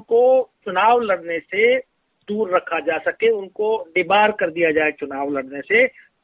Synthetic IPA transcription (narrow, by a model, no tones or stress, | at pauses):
kot͡ʃʊnaːʋlɐɽnese | d̪uːɾːəkʰad͡ʒaːsɐkeʊnkoɖ̪ɪbaːɾkɐɾd̪ijad͡ʒaːet͡ʃʊnaːʋlɐɽnese